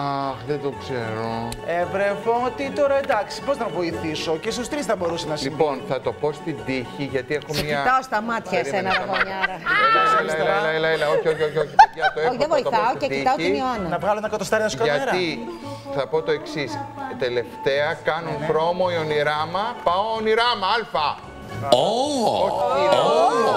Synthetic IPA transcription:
ɐxðed̪okseɾo | evɾevoot̪it̪o̞ɾɐend̪ɐksi̥po̞znɐvo̞iθiso̞cest̪ust̪ɾisθɐbo̞ɾusenɐslipo̞nθɐt̪o̞po̞st̪id̪içiʝɐt̪iexomɐt̪ɐost̪ɐmɐt̪çɐɾienɐɐoɲɐɾɐeɐleelɐelɐelɐoçioçioçioiɐt̪oeðevoit̪ɐθɐoeit̪ɐotiinionɐnɐvɣɐloenɐkɐt̪ost̪ɐɾinɐsukɐɐeɾɐi | θɐpo̞t̪o̞e̞ksist̪e̞le̞ft̪eɐkɐnunɾomoioniɾɐmɐpɐoːniɾɐmɐɐlfɐ | ooi

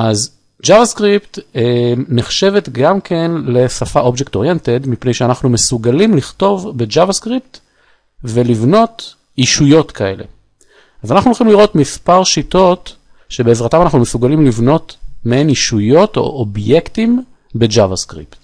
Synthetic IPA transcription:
ʔaz | d͡ʒavaskʁipteneχʃe̞vet̪ɡamkʰenle̞safaʔo̞bd͡ʒek̚to̞ʁjente̞dmipne̞jʃeanaχnume̞suɡalimliχto̞vbe̞d͡ʒavaskʁipt | ve̞livno̞t | iʃujo̞tkʰae̞le̞̰ | azanaχnulχimliʁo̞t̪mispaʁʃito̞t | ʃe̞beːzʁatamanaχnumesuɡalimlivno̞tmeniʃujo̞to̞̰ʔobje̞ktim | be̞d͡ʒavaskʁḭpt

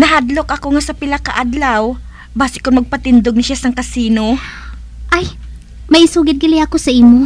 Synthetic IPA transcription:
nɐɦad̪lokʔɐkoŋasɐpɪlɐkaʔad̪law | baːsɪkʊnmɐɡ̚pɐt̪ɪnd̪oɡ̚nɐʃasɐŋkɐsiːno | ʔaj | mɐʔɪsuːɡɪd̪̚ɡɪlɪɐkosɐʔiːmo

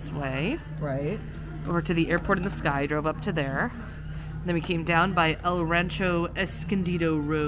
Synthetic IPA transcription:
sweɪ | ɹaɪt̚ | ʔə˞ɾɨðiʔɛɹpʰɔɹɾn̩ðəskaɪdɹoʊvʌp̚tʰɨðə˞ | n̩ðɨ̃nwikʰẽɪ̃mdãʊ̃nbaɪʔɛlˠɹæ̃nt͡ʃoʊɛskɨ̃ndiɾoʊɹo

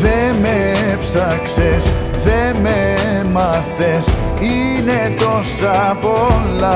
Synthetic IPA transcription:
ðemepsakses | ðememaθesinet̪osapɔlːa

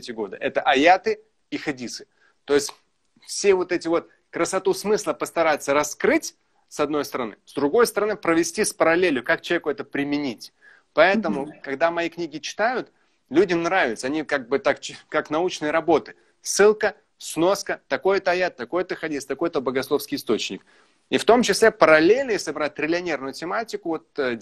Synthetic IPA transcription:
tʲɪɡo̞d̪əʔɛt̪əʔɐjat̪ɨ | ixɐdʲisɨ̥ | t̪o̞jɪsʲtʲ | fsʲevo̞t̪ɛtʲɪvo̞t̪ | kɾəsɐt̪usmɨslˠəpəst̪ɐɾajɪt̪sːəɾɐskɾɨtʲ | sɐd̪no̞jst̪əɾɐnɨ̰zd̪ɾʊɡo̞jst̪əɾɐnɨpɾəvʲɪsʲtʲispəɾɐlʲelʲjʊkak̚t͡ɕɪlˠvʲekʊɛt̪əpɾʲɪmʲɪnʲitʲ | pɐɛt̪əmʊkɐɡd̪amɐjiknʲiɡʲɪt͡ɕɪ̥t̪ajʊt̪ | lʲudʲɪmnɾavʲɪt̪səɐnʲikaɡ̚bɨt̪ak̚kaknɐut͡ɕnɨjəɾɐbo̞t̪ɨ̥ | sɨlˠkə | sno̞skət̪ɐko̞jɛt̪əɐjat̪̚t̪ːɐko̞jt̪əxɐdʲisʲt̪ɐko̞jt̪əbəɡɐslˠo̞fskʲɪjɪst̪o̞t͡ɕnʲɪk | ift̪o̞mt͡ɕɪsʲlʲepəɾɐlʲelʲnəjesʲlʲɪbɾat̚ʲt̪ɾʲɪlʲɪɐnʲe̞rnʊjʊtʲɪmatʲɪkʊvo̞t̪̚ː

